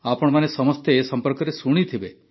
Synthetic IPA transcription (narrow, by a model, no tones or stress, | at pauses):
apɔɽ̃manesɔmɔst̪eːsɔmpɔɾkɔɾesuɽ̃it̪ʰibe